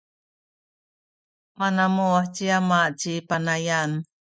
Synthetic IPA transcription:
manamuaħt͡ɕiamaʔt͡ɕipanajan

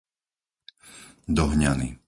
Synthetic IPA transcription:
d̪ɔɦɲanḭ

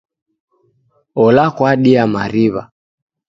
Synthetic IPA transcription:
ɔlakwaɗiamaɾiβa̰

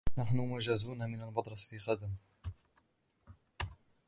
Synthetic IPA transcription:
naħnʊmʊʒazuːnamɪnalmɑd̪ˤɾˤɑsiɣad̪an

